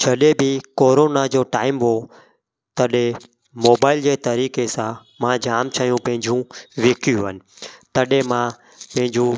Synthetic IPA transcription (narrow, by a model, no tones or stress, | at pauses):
d͡ʒʰəɗeːbʱiːkoːɾoːnad͡ʒoːʈaːɪmɦoː | t̪əɗe | moːbaːɪld͡ʒeːt̪əɾiːkeːsã | mãːd͡ʒaːmt͡ʃʰaːjũːpə̃ɦɪ̃ɲd͡ʒũːʋɪːkʰjũːɦənɪ̆t̪əɗẽːmãː | pə̃ɦɪ̃ɲd͡ʒũː